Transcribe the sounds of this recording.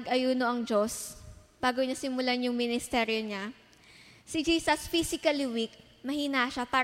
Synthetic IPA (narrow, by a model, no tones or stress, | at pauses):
ɡʔɐjuːnoʔɐŋd͡ʒo̞s | b̥aːɡoɲasɪmʊlaɲʊŋmɪnɪst̪ɛːɾjoɲa | sɪd͡ʒiːsɐsfisɪkɐlwik | mɐhiːnaʃapaː